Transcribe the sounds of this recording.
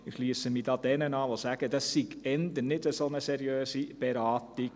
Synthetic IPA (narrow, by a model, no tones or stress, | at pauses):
ɪxʃliəsəmid̥ɑːd̥̪ɛnənɑːʋosæɡ̥əd̥ɑssiɡɛnd̪ənɪdəsonəsɛɾiøːsib̥ɛɾɑːti